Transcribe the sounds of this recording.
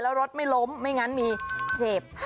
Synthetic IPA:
lɛː˦˥wɾo˦˥t̪̚ma˥˩jlo˦˥mːa˥˩jŋa˦˥nmiː˧seː˨˩p̚h

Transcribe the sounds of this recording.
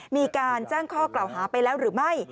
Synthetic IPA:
miː˧kaː˧nt͡ɕaː˥˩ŋkʰɔː˥˩kla˨˩wɦaː˩˦pa˧jlɛː˦˥wɾɯː˩˦ma˥˩j

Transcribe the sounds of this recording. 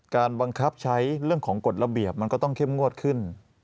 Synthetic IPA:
kaː˧nba˧ŋkʰa˦˥p̚t͡ɕʰa˦˥jɾɯ˥˩əŋkʰɔː˩˦ŋko˨˩t̪̚ɾa˧bi˨˩əp̚ma˧nkɔː˥˩t̪ɔ˥˩ŋkʰe˥˩mŋu˥˩ət̪̚kʰɯ˥˩n

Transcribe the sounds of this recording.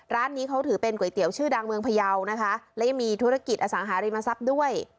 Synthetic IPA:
ɾaː˦˥nːiː˦˥kʰa˦˥wt̪ʰɯː˩˦pe˧nku˨˩ə˦jt̪i˩˦əwt͡ɕʰɯː˥˩daː˧ŋmɯ˧əŋpʰa˧ja˧wna˦˥kʰa˦˥lɛ˦˥ja˧ŋmiː˧t̪ʰu˦˥ɾa˦˧ki˨˩t̪̚ʔa˧sa˩˦ŋɦaː˩˦ɾiː˧ma˧sa˦˥p̚du˥˩əj

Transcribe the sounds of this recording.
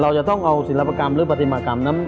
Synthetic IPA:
ɾa˧wt͡ɕa˨˩t̪ɔ˥˩ŋʔa˧wsi˨˩˦la˦˥pːa˧ka˧mɾɯː˦˥pa˧t̪ʰi˧maː˧˩ka˧mna˦˥m

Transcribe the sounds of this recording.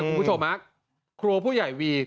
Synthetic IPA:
ku˧mʰpu˦˥t͡ɕʰo˧mha˦˥ | kʰɾu˧ɐpʰuː˥˩ja˨˩jwiː˧

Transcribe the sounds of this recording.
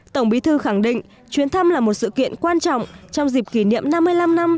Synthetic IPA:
t̪ə˧˩wŋ͡mɓi˨˦t̪ʰɨ˧xa˧˩ŋɗḭ̈˧˨ŋ̟ | t͡ɕwi˨˦ənt̪ʰə˧mlaː˨˩mo˨˩t̚sɨ̰˧˨kḭ˧˨ənkwaː˧nt͡ɕɔ̰˧˨wŋ͡mt͡ɕɔ˧wŋ͡mzi˨˩p̚ki˧˩nḭ˧˨əmna˧mːɨ˧əjla˧mna˧m

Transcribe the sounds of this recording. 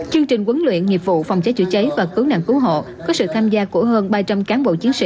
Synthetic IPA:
t͡ɕɨ˧əŋt͡ɕi˨˩ŋ̟kwə˨˦nlwḭ˧˨ənŋi˨˩p̚vṵ˧˨fa˨˩wŋ͡mt͡ɕaː˨˦jt͡ɕɨ̰˧˩t͡ɕə˨˦jvaː˨˩kɨ˨˦wna̰˧˨ŋkɨ˨˦wɦo̰˧˨ | kɔ˨˦sɨ̰˧˨t̪ʰaː˧mzaː˧ku˧˩əɦəː˧nɓaː˧t͡ɕa˧mkaː˨˦nɓo̰˧˨t͡ɕi˨˦ənsḭ˧˨

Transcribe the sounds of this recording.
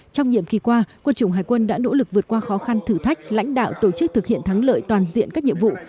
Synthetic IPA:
t͡ɕɔ˧wŋ͡mɲḭ˧˨əmki˨˩kwaː˧kwə˧nt͡ɕɨ˧˩wŋ͡mɦaː˨˩jkwə˧nɗa̰ː˧˥no̰˧˥lɨ˨˩k̚vɨ˨˩ət̚kwaː˧xɔ˨˦xa˧nt̪ʰɨ˧˩t̪ʰa˦˥k̟̚la̰˧˥jŋ̟ɗa̰ː˧˨wt̪o˧˩t͡ɕɨ˦˥k̚t̪ɨ˨˩k̚hḭ˧˨ənt̪ʰa˨˦ŋlə̰ː˧˨jt̪waː˨˩nzḭ˧˨ənkaː˦˥k̚ɲḭ˧˨əmvṵ˧˨

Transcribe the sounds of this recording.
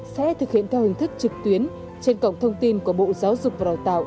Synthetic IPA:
sɛ̰˧˥t̪ʰɨ˨˩k̚hḭ˧˨ənt̪ʰɛ˧whï˨˩ŋ̟t̪ʰɨ˦˥k̚t͡ɕɨ˨˩k̚t̪wi˨˦ən | t͡ɕe˧nkə̰˧˨wŋ͡mt̪ʰə˧wŋ͡mt̪i˧nku˧˩əɓo̰˧˨zaː˨˦wzʊ˨˩k͡p̚va˨˩ɗa˨˩t̪a̰ː˧˨ʔ

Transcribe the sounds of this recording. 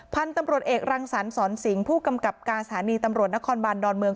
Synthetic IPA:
pʰa˧nt̪a˧mɾu˨˩ət̪̚ʔeː˨˩k̚ɾaː˧ŋsa˩˦nsɔː˩˦nsi˩˦ŋpʰuː˥˩ka˧mka˨˩p̚kaː˧nsat̪ʰaː˩˦niː˧t̪a˧mɾu˨˩t̪̚na˦˥kʰɔː˧nbaː˧ndɔː˧nmɯ˧əŋ

